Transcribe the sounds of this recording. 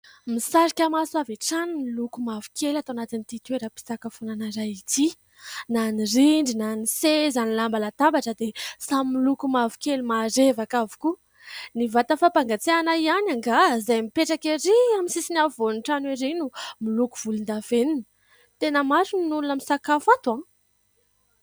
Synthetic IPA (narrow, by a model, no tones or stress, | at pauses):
misaɾikʲamasaveʈ͡ʂanumilukumavu̥kʰelat̪aanat̪init̪it̪ueɾapi̥sakafonanaɾait̪i | naniriɳɖ͡ʐinanisezanilambalat̪ambaʈ͡ʂəd̪esamilukumavi̥kʲelumaɾevakavu̥ku | nivat̪əfapaŋɡat͡seanaianaŋɡazajmipeʈ͡ʂakiɾiamisisinavonuʈ͡ʂanweɾinumiluku̥v̥ulind̪aveninə | t̪enəmaɾuninulunəmisakafat̪uã